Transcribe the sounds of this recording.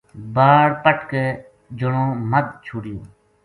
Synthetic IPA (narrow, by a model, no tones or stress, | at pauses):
baːɽpəʈkeː | d͡ʒʊɳõːməd̪̚t͡ʃʰʊːɽɪjo̰ː